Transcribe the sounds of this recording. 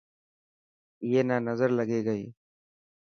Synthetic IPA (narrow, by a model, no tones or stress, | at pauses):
jeːnaːnəzəɾləɡeːɡəḭː